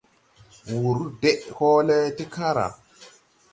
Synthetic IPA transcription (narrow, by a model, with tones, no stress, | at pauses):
wu˨ɾu˦de˦ʔho˦le˦ti˦kʰã˦ɾa̰˨